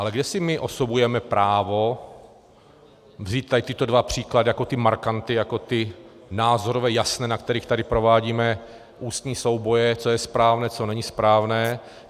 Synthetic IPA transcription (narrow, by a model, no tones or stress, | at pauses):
ʔalɛɡdɛsɪmɪʔo̞sobujɛmɛpɾʔaːvo̞ | vziːt̪̚t̪ajɪt̪ɪt̪o̞dvapr̝̥iːkladɪjako̞t̪ɪmaɾkant̪ɪjako̞t̪ɪ | naːzoɾovɛːjasnɛːnakt̪ɛɾiːxt̪adɪpɾo̞vaːɟiːmɛ | ʔuːst̪ɲiːso̞wbo̞jɛt͡so̞jɛspɾaːvnɛːt͡so̞nɛɲɪspɾaːvnɛː